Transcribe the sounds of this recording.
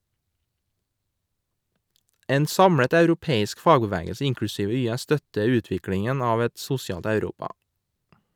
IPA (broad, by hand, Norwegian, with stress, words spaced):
ˈeːn ˈsɑmɹət œʉɾʊˈpeːɪsk ˈfɑːɡəˌʋæːɡəlsə ˈɪŋklʉˌsiːʋə ˈyːæ ˈstœtəɾ ˈʉːtʋɪklɪŋən ˈɑːʋ ˈɛt ˈsʊsɪɑːlt œʉˈɾuːpɑ